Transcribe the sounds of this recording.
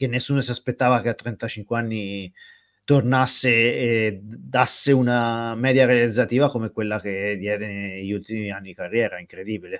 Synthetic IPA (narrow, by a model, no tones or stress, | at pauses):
k̟enːesːuːnosiaspet̪ːaːvak̟eat̪ːɾɛnt̪at͡ʃiŋkweanːi | t̪ornasːeː | d̪asːeunamɛːd̪jaɾealid̪zːat̪iːvakomekwelːak̟ed̪jɛːd̪eʎːult̪imianːiikarːjɛːɾaiŋkɾed̪iːbile